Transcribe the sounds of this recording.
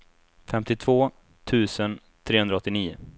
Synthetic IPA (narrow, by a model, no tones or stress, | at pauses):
fɛmt̪ɪt̪ʰv̥oː | t̪ʰʉ̟ːsən | t̪ʰɾeːhɵnd̪ɾaɔt̪ːɪniːʊ̰